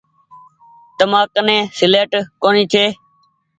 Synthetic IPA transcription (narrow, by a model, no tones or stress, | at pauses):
t̪əmaːknẽːsɪleːʈkoːniːt͡ʃʰeː